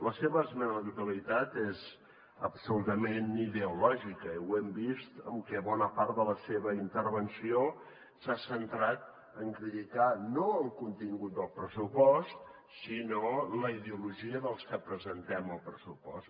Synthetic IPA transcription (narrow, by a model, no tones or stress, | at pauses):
ləseβəːzmɛnət̪ut̪əlit̪at̪ez | əpsulut̪əmeniðeulɔʒikəwɛmbist̪əmkɛβɔnəpaɾt̪d̪ələseβəint̪ərβənsio | sasənt̪ɾat̪̚ | əŋkɾit̪it̪anoəlˠkunt̪iŋɡut̪̚d̪əlˠpɾəsupɔst̪ | sinoləiðeuluʒiəðəlˠskəpɾəzənt̪ɛməlˠpɾəsupɔ̰st̪